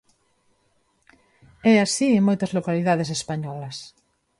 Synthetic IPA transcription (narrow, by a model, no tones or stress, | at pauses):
ɛasieŋmojt̪ɐzlokaliðaðesespaɲɔlɐs